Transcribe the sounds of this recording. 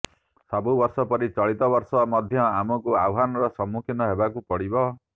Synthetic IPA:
sabubɔɾsɔpɔɾit͡ʃɔɭit̪ɔbɔɾsɔmɔd̪ʱjɔamɔkuawɦanɔɾɔsɔmukʰinɔɦebakupɔɽibɔ

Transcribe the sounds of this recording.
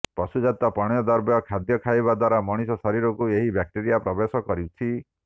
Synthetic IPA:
pɔsud͡ʒat̪ɔpɔɽ̃jɔd̪ɔɾbjɔkʰad̪jɔkʰajβad̪waɾamɔɽ̃isɔsɔɾiɾɔkueɦibjak̚ʈeɾijapɾɔbesɔkɔɾit͡ʃʰi

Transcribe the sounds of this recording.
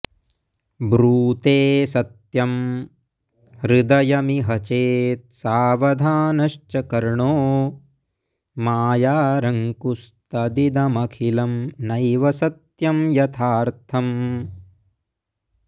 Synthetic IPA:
bɾuːt̪eːsɐt̪jɐm | ɾɪd̪ɐjɐmiɦɐt͡ʃeːt̪̚saːʋɐd̪ʱaːnɐʃt͡ʃɐkɐɾɳoː | maːjaːɾɐŋkust̪ɐd̪id̪ɐmɐkʰilɐmnɐjʋɐsɐt̪jɐmjɐt̪ʰaːɾt̪ʰɐm

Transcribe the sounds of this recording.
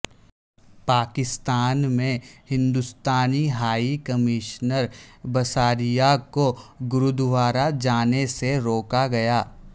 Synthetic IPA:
paːkɪst̪aːnmẽhɪ̃nd̪ʊst̪aːniɦaːikɐmɪʃnəɾbɐsaːɾijakoɡʊɾʊd̪ʋaːɾad͡ʒaːneseɾoːkaɡɐjaː

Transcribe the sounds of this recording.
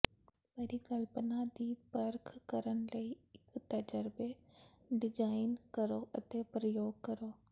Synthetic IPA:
pɐɾikɐlpənad̪iːpɐɾkʰkɐɾəɽ̃ɪ̆lɐiɪkt̪ɐd͡ʒəɾbe | ɖɪd͡ʒaːɪnkɐɾoʔɐt̪epɾəjoːɡ̚kɐɾoː

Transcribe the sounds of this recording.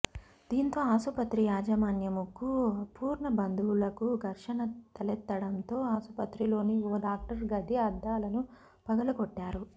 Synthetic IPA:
d̪̥iːnt̪o̞ːaːsupɐt̪ɾijaːd͡ʒɐmaːnjɐmukːupuːɾɳɐbɐnd̪uwulɐkuɡ̪ʱɐɾʂɐnɐt̪ɐlɛt̪ːɐɽɐnt̪o̞ːaːsupɐt̪ɾilo̞ːnioːɖaːk̚ʈɐɾɡɐd̪ʱiɐd̪ːaːlɐnu | pɐɡɐlɐkɔʈːaːɾu

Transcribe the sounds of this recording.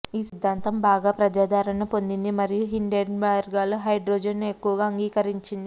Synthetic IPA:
iːsid̪ʱːaːnt̪ɐmbaːɡaːpɾɐd͡ʒaːd̪ʱaːɾɐnɐpo̞nd̪ind̪imɐɾijuɦiɳɖeɖmaɾɡaːluɦɐjɖɾoːd͡ʒenːue̞kːuʋɐɡaːɐŋɡiːkɐɾiɲt͡ʃind̪i

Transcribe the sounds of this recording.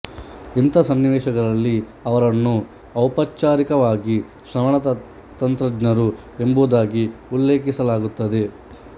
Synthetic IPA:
int̪ɐsɐnːiʋɛːʃɐɡɐɾɐlːi | ɐʋɐɾɐnːu | ɐwpɐt͡ʃːaːɾikɐʋaːɡi | ʃɾɐmɐɳɐt̪ɐ | t̪ɐnt̪ɾɐɡnɐɾu | e̞mbuːd̪aːɡiulːeːkisɐlaːɡut̪ːɐd̪e̞

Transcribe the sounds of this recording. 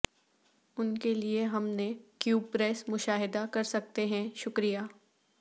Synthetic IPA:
ʊnkelieɦɐmnekjuːbpɾɛːsmʊʃaːɦɪd̪akɐɾsɐk̚t̪eɦɛ̃ʃʊkɾijaː

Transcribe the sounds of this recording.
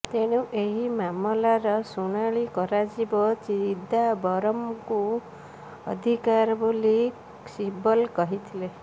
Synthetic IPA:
t̪eɽ̃uʔeɦimamɔlaɾɔsuɽ̃aɭikɔɾad͡ʒibɔt͡ʃiɾid̪ʱabɔɾɔmku | ɔ̰d̪ʱikaɾboli | sibɔlkɔɦit̪ʰile

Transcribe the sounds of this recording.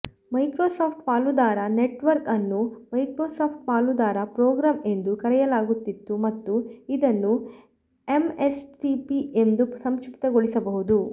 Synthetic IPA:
mɐjkɾoːsaːpʰʈpaːlud̪aːɾɐneʈʋɐɾkɐnːumɐjkɾoːsaːpʰʈ̚paːlud̪aːɾɐpɾoːɡɾaːme̞nd̪ukɐɾɛjɐlaːɡut̪ːit̪ːumɐt̪ːuid̪ɐnːu | e̞mesʈipiend̪usɐmʃipt̪ɐɡoɭisɐbɐɦud̪u

